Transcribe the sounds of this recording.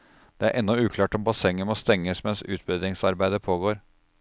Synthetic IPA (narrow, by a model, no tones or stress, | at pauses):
d̪̥ɛæɾʔɛnːɔʉːkʰlɑːʈɔmbɑsɛŋːənmɔst̪ɛŋːəsmɛnsʉːt̪̚bœd̪ɾɪŋsɑɾbæɪd̪əpʰoːɡoːɾ